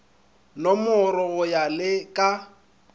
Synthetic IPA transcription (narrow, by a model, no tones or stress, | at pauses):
nɔmʊɾɔɣʊjalɪkʼa